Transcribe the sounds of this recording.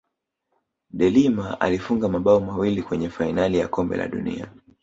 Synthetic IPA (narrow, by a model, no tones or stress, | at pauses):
ɗɛlimaa̰lifuŋɡamaɓaɔmawilikwɛɲɛfainalijakɔmbɛ̰la̰ɗṵnḭa̰